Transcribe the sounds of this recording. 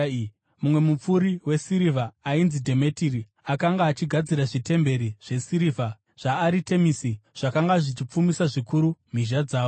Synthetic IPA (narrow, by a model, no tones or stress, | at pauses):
mumwe̞mup͡fuɾiwe̞siɾivʱaːinzidʱe̞me̞tiri | akaŋɡaːt͡ʃiɡʱad͡ziɾaʐite̞mbe̞ɾiʐ̥e̞siɾivʱa | ʐ̥aːɾite̞misiʐ̥akaŋɡaʐit͡ʃip͡fumisaʐikuɾum̤iʒad͡zaːo